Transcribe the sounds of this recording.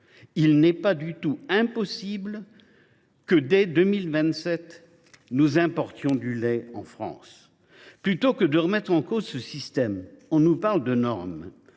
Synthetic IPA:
ilnɛpad̪yt̪uɛ̃pɔsibl | kəd̪ɛd̪ømilvɛ̃t̪sɛt̪ | nuzɛ̃pɔʁt̪jɔ̃d̪ylɛɑ̰̃fχɑ̰̃s | plyt̪okəd̪əʁəmɛt̪χɑ̃kozsəsist̪ɛmɔ̃nupaʁld̪ənɔ̰ʁm

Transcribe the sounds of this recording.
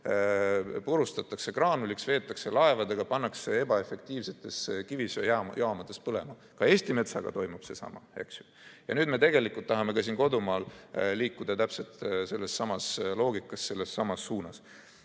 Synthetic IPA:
puɾust̪ɑt̪ːˑɑkse̞krɑːnuliksve̞ːt̪ːˑɑkse̞lɑe̞vɑd̪eɡ̥ɑpɑnːɑksee̞bɑe̞fˑe̞k̚t̪iːvse̞t̪ːˑe̞skivisjɑjʔɑːmɑd̪ˑespɤle̞̰mɑ | kɑe̞ːsʲt̪ime̞t̪sɑ̰ɡ̥ɑ̰t̪o̞jmub̥se̞sɑ̰mɑ̰e̞̰ksju̥ | jɑnyːd̪me̞t̪e̞ɡe̞likˑult̪ːɑɦɑme̞kɑsiːnko̞d̪umɑːlliːkːud̪̥ɑt̪æpse̞lt̪se̞lːe̞sːɑmɑslo̞ːɡikːˑɑsːe̞lːe̞sːɑmɑsːuːnɑs

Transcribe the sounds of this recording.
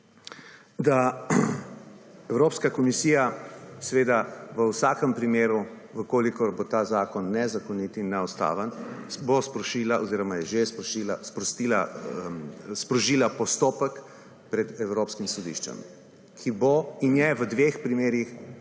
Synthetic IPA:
d̪a | ɛwɾoːpskakɔmisiːjasʋeːd̪aʋəwsaːkəmpɾimeːɾu | ʋəkoːlikɔɾbot̪aːzaːkɔnːɛzakɔnit̪inːɛɔst̪a̰ːʋənbospɾɔʃilaʔɔziːɾɔmajɛʒespʃilaspɾɔst̪ila | spɾɔʒiːlapɔst̪oːpək | pɾɛd̪ɛwɾoːpskimsɔd̪ḭʃt͡ʃɛ̰m | kʰiboinjɛʋəd̪ʋexpɾimeːɾix

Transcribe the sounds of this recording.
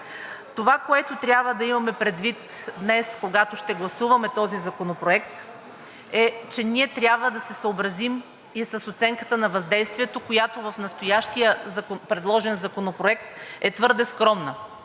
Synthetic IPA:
t̪ovakoɛt̪ot̪ɾʲjabvəd̪ɐimɐmɛpɾɛd̪vit̪d̪nɛskoɡat̪oʃt̪ɛɡlˠɐsuvɐmɛt̪ɔzizɐkonopɾoɛkt̪ | ɛt͡ʃɛniɛt̪ɾʲjabvəd̪ɐsɛsəobɾɐzim | isɐsot̪sɛŋkə̥t̪ənɐvɐzd̪ɛjst̪viɛt̪okojat̪ovɐfnɐst̪ojaʃt̪ijəzɐkopɾɛd̪lˠɔʒɛnzɐkonopɾoɛkt̪ɛt̪vɤɾd̪ɛskɾɔmnə

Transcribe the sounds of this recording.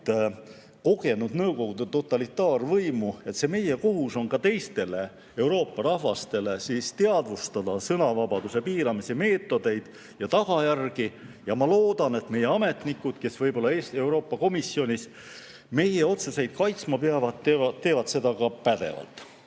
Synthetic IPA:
ko̞ɡe̞nud̪̥nɤwko̞ɡ̥ud̪̥et̪o̞t̪ːˑɑlit̪ːˑɑːrvɤjmue̞t̪se̞me̞jeko̞ɦuso̞nkɑt̪e̞jst̪e̞le̞ | e̞wɾo̞ːpːˑɑɾɑhvɑst̪e̞le̞sist̪eɑd̪vust̪ɑd̪̥ɑsɤnɑvɑbɑd̪use̞piːɾɑmiseme̞ːt̪ːˑo̞d̪̥e̞jd̪̥ | jɑt̪ɑɡ̥ɑjærɡ̥ijɑmɑloːd̪̥ɑne̞t̪me̞jeɑme̞t̪nikːˑud̪̥ke̞svɤjbo̞lːɑe̞ːst̪e̞uwɾo̞ːpːˑɑko̞misjo̞nʲis | me̞je̞o̞t̪se̞se̞jd̪̥̚kɑjt̪smɑpeɑvɑt̪eɑt̪ːe̞ːvɑt̪se̞d̪ɑkɑpæd̪e̞̰vɑ̰lt̪ːˑ

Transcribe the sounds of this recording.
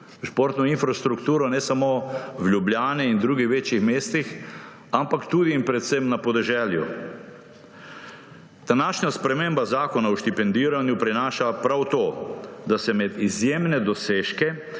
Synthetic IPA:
ʃpoːɾt̪nɔinfɾast̪ɾukt̪uːɾɔnɛsamowlʲubljaːnɛind̪ɾuːɡixʋeːt͡ʃjixmeːst̪ix | ampakt̪uːd̪iːnpɾɛt̪semnapɔd̪ɛʒɛːlju | d̪̥anaːʃɲaspɾɛmembazaːkɔnawʃt̪ipɛnd̪iːɾanjupɾinaːʃapɾawt̪oːd̪asɛmɛd̪izjeːmnɛd̪ɔseːʃkɛ

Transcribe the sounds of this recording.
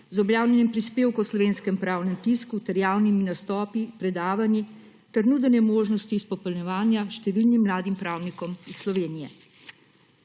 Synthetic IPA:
zɔbljaːwnʲɛnimpɾispeːwkɔwslɔʋeːnskɛmpɾaːwnɛmp̪iskut̪ɛɾjawniminast̪ɔːpipɾɛd̪aːʋani | t̪ɛɾnuːd̪ənɛmoːʒnɔst̪iːspɔpɛlnɛʋaːnjaʃt̪ɛʋilnimːlaːd̪impɾaːwnikɔmissːlɔʋeːnijɛ

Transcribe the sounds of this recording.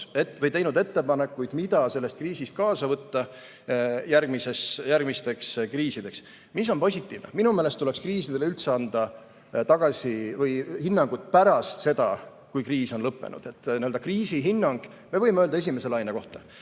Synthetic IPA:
evɤjt̪e̞jnud̪e̞t̪ːe̞pɑne̞kːujd̪̥mid̪̥ɑse̞lːest̪̚kriːsist̪̚kɑːsɑvɤt̪ːɑ | jærɡ̥mise̞sjærɡ̥mist̪e̞kskriːsid̪̥e̞ks | mis̬ːo̞npo̞sʲit̪ːˑiːvneminumeːlest̪ule̞kskriːsid̪̥e̞leylt̪se̞ɑnd̪̥ɑ | t̪ɑɡ̥ɑsʲivɤjhinːɑŋɡ̥ut̪̚ˑpæɾɑst̪se̞d̪̥ɑ̰ | kujkriːso̞nlɤpːḛnṵd̪̥e̞t̪ːniø̞ld̪ɑkriːsiɦinːɑŋɡ̥ | me̞vɤjmeøːld̪ɑes̬ʲime̞se̞lɑjneko̞ht̪ɑ

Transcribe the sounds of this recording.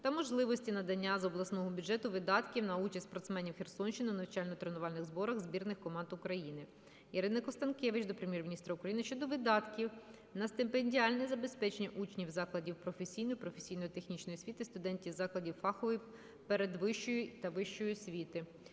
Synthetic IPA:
t̪ɐmɔʒlˠɪʋɔsʲtʲinɐd̪ɐnʲːazɔblˠɐsnɔɦɔbʲudʒɛt̪ʊʋɪd̪ɑt̪kʲiwnɐut͡ʃɐsʲtʲsʲpɔrt̪smɛnʲiwxʲersɔnʃt͡ʃɪnɪnɐwt͡ʃɑlʲnɔt̪ɾenʊʋɑlʲnɪɣzbɔɾɐɣzbʲirnɪxkɔmɑnd̪ʊkɾɐjinɪ | jɐɾɪnɐkɔst̪ɐnkʲɛʋɪt͡ʃd̪ɔpɾemjɛrmʲinʲist̪ɾɐʊukɾɐjinɨɪʃt͡ʃɔd̪ɔʋɪd̪ɑt̪kʲiw | nɐst̪ɪmpenʲdʲiɑlʲnɛzɐbe̞spɛt͡ʃenʲːɐʔut͡ʃnʲiwzɑklˠɐdʲiwpɾɔfesʲijnɔjipɾɔfesʲijnɔjit̪exnʲit͡ʃnɔjisʲʋʲit̪ɪst̪ʊd̪ɛnʲtʲiwzɑklˠɐdʲiwfɑxɔʋɪ | peɾed̪ʋɪʃt͡ʃɔjʊt̪ɐʋɪʃt͡ʃɔjʊsʲʋʲit̪ɪ

